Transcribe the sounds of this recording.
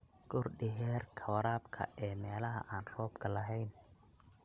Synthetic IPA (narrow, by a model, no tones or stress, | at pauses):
ɡ̥ʊrɖɪɦɛːrkʰɐwɐɾaːbkʰɐ̰ʔɛːmɛːlɐɦɐ̰ʔaːnrɔːbkʰɐlɐɦɛjn